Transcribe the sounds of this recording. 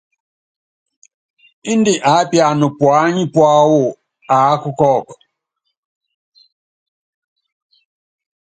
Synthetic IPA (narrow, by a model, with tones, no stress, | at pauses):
i˦ndi˨ʔa˨˦pja˨nu˨pwa˨˦ɲi˦pwa˦wo˦˨ | a˨˦ku˦kɔː˦˨kɔ̥˨